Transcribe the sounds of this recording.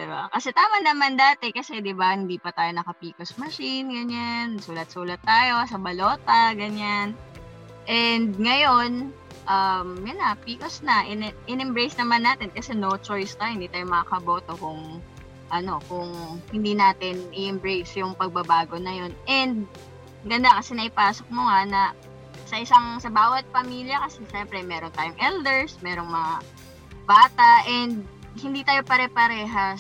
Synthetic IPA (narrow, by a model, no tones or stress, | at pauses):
d̪ɪba̰kɐsɛt̪aːmɐnɐmand̪aːt̪ɛkɐsɛd̪ɪbahɪnd̪iːpɐt̪aːjo̞nɐkɐpiːkɐsmɐʃinɡɐɲansuːlɐt̪̚suːlɐt̪ːaːjo̞sɐbɐlo̞ːt̪ɐɡɐɲan | ʔɛnd̪̚ŋɐjo̞n | ʔɐmjʊnɐpiːkosnɐʔɪnɛʔɪnɛmbɹejsnɐmanːaːt̪ɛnkɐsɛnot͡ʃojst̪ajohɪnd̪iːt̪aːjomɐŋakɐbo̞ːt̪o̞kʊŋ | ʔɐno̞kʊŋhɪnd̪iːnaːt̪ɪnʔɪʔɛmbɹejsjʊŋpɐɡ̚bɐbaːɡo̞nɐjo̞nʔɛnd̪̚ | ɡɐnd̪akɐsɛnɐʔɪpaːsok̚moŋanɐ | sɐʔɪsaŋsɐbaːwɐt̪̚pɐmiːljɐkɐsɛʃɛmpɾɛmɛːɾont̪aːjoŋʔɛld̪ɛɹsmɛːɾo̞ŋmɐŋa | baːt̪ɐʔɛnd̪̚ | hɪnd̪iːt̪aːjopɐɾɛpɐɾɛːɦɐ